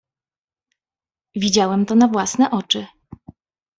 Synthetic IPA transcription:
vʲid͡ʑawɛmt̪ɔnavwasnɛʔɔt͡ʂɘ

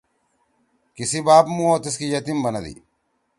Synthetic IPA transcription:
kɪsɪbaːbmuoːt̪ɪs̬kijɐt̪ɪmbɐnɐd̪ḭ

